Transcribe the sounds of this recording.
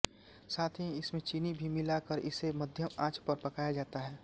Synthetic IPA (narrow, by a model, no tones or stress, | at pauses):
saːt̪ʰĩɪsmẽt͡ʃiːnibʱimɪlakəɾɪ̰seməd̪ʱjəmaːt͡ʃpəɾpɐkaːjad͡ʒaːt̪aɦɛː